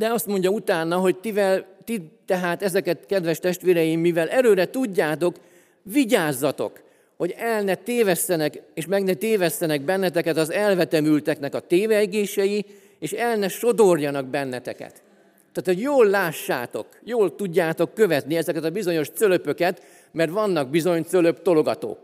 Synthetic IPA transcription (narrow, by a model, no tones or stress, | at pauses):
d̪ɛɒst̪mo̞ɲɟɒut̪aːnːɒɦo̞ct̪ivɛlt̪it̪ɛɦaːt̪ɛzɛkɛt̪kɛd̪ʋɛʃt̪ɛʃt̪ʋeːɾɛjimːivɛlʔɛɾøːɾɛt̪uɟːaːt̪o̞k | viɟaːzːɒt̪o̞̰k | ho̞ɟɛlnɛt̪eːvɛsːɛnɛkeːʃmɛɡnɛt̪eːvɛsːɛnɛɡ̚bɛnːɛt̪ɛkɛt̪ɒzɛlvɛt̪ɛmylt̪ɛknɛkɒt̪eːvɛɡeːʃɛji | eːʃɛlnɛʃo̞d̪o̞rjɒnɒɡ̚bɛnːɛt̪ɛ̰kɛ̰t̪ː | aːt̪ho̞ɟjoːlːaːʃːa̰ːt̪o̞̰kjoːlt̪uɟːaːt̪o̞kːø̞vɛt̪niɛzɛkɛt̪ɒbizo̞ɲo̞ʃt̪sølø̞pø̞kɛt̪ | mɛrt̪ʋɒnːɒɡ̚bizo̞ɲt̪søløpt̪o̞loɡɒt̪o̰ːk